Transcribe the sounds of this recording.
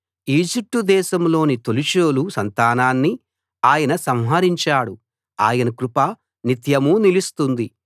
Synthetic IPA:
iːd͡ʒip̚ʈud̪ɛːʃɐmlo̞ːnit̪oliʃoːlusɐnt̪aːnaːnːi | aːjɐnɐsɐm̃ɦɐɾiɲt͡ʃaːɽu | a̰ːjɐnɐkɾupɐ | nit̪jɐmunilist̪und̪i

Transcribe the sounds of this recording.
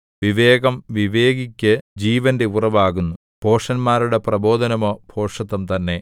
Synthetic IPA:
ʋiʋe̞ːɣɐmʋiʋe̞ːɡikʲːɨd͡ʑiːʋɐnde̞urɐʋaːɣunːu | pʰo̞ːʂɐnmaːɾuɽe̞prɐbo̞ːd̪ʱɐnɐmo̞ːpʰo̞ːʂɐt̪ːɐmt̪ɐnːe̞

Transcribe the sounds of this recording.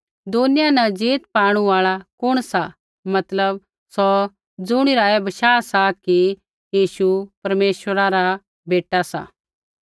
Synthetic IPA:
d̪onɪjanɐd͡ʒeːt̪paːɽ̃uaːɭakʊɽ̃sa | mɐt̪ləb̚ | sɔ | d͡zʊɽ̃iɾaːɛbɐʃaːsaki | jiːʃupɐɾmeːʃwəɾaɾa | beːʈasa̰

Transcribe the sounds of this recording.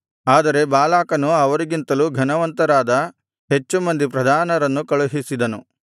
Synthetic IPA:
aːd̪ɐɾe̞baːlaːkɐnuɐʋɐɾiɡint̪ɐluːɡʱɐnɐʋɐnt̪ɐɾaːd̪ɐ | ɦe̞t͡ʃːumɐnd̪ipɾɐd̪ʱaːnɐɾɐnːukɐɭuɦisid̪ɐnu

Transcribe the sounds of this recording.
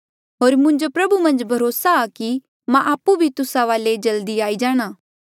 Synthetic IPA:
ɦoːɾmʊ̃ɲd͡ʒopɾɐbumɐ̃nd͡ʒbʱɐɾoːsaːki | mãʔaːpːubʱit̪ʊsaʋaːled͡ʒɐld̪iaːid͡ʒaːɽ̃aː

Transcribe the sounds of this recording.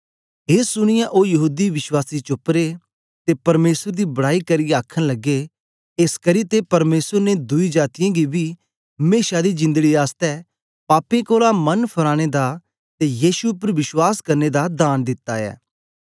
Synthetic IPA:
ɦeːsʊɽ̃ɪjãʔoːjɐɦuːd̪iʋɪʃwaːsit͡ʃʊpɾe | t̪epɐɾmeːsəɾd̪iːbɐɽaːikɐɾijaːkʰəñlɐɡːe | eskɐɾit̪epɐɾmeːsəɾned̪ʊid͡ʒaːt̪ɪjãɡibi | ɦmeːʃad̪id͡ʒɪ̃nd̪əɡiaːst̪ɛ | paːpẽkoːlamɐnpʰɐɾaːɽ̃ed̪a | t̪ejiːsuʊpəɾʋɪʃwaːskɐɾned̪ad̪aːnd̪ɪt̪ːaɛ̰ː

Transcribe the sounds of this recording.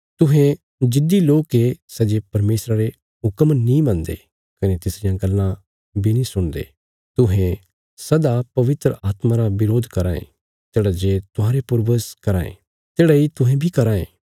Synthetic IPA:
t̪ʊɦẽ | d͡ʒɪd̪iloːkesɛd͡ʒepɐɾmeːsɾaɾe | ɦʊkəmnĩmɐ̃nd̪ḛ | kɐnet̪ɪsɾɪjãɡɐlːã | binĩsʊɽ̃d̪ḛː | t̪ʊɦẽ | sɐd̪apɐʋɪt̪ɾəʔaːt̪mãɾaʋɪɾoːd̪ʱkɐɾã̰ːḛ̃ | t̪eːɽad͡ʒeːt̪ʊɦãːɾepʊɾʋəskɐɾaːḛ̃ | t̪eːɽait̪ʊɦẽbʱikɐɾaːḛ̃ː

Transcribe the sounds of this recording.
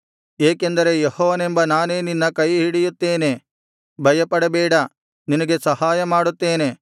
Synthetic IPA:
eːke̞nd̪ɐɾe̞jehɔːʋɐnembɐnaːneːninːɐkɐjɦiɽijut̪ːe̞ːne̞ | bʱɐjɐpɐɽɐbɛːɽɐ | ninɐɡe̞sɐhaːjɐmaːɽut̪ːeːne̞

